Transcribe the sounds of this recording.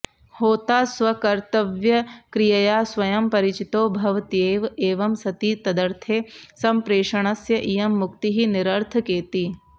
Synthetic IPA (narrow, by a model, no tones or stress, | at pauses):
hoːt̪aːswɐkɐɾt̪ɐʋjɐkɾijɐjaːswɐjɐmpɐɾɪt͡ʃit̪oːbʱɐʋt̪ieːʋeːʋɐmsɐt̪iːt̪ɐd̪ɐɾt̪ʰeːsɐmpɾeːʃɐɳ̃ɐsjɐʔijɐmːʊkt̪iɦinɪɾɐɾt̪ʰkeːt̪iː